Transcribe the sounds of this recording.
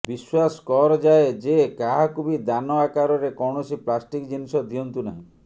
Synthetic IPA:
biswasɔ̥kɔɾɔd͡ʒaed͡ʒekaɦakubid̪anɔakaɾɔɾekɔwɳɔsiplasʈikd͡ʒinisɔd̪ʱiɔnt̪unaɦĩ

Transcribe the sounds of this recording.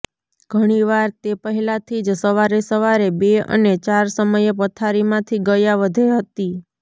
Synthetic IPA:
ɡ̥ʱəɽ̃iʋaɾt̪epəɦɛlat̪ʰid͡ʒsəʋaɾesəʋaɾebeə̰net͡ʃaɾsəməjepət̪ʰaɾimãt̪ʰiɡəjaʋəd̪ʱeɦət̪i

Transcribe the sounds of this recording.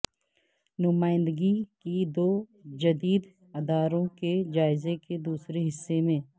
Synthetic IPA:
nʊmaːɪ̃nd̪əɡikid̪oːd͡ʒɐd̪iːd̪ | ɐd̪aːɾõked͡ʒaːɪzeked̪uːsɾeɦɪsːemẽː

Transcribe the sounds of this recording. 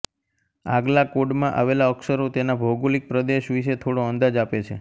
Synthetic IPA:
aɡlakoɖmãʔa̰ʋelaəkʃəɾot̪enabʱoɡolik̚pɾəd̪eʃʋiʃet̪ʰoɽoənd̪ad͡ʒapet͡ʃʰḛ

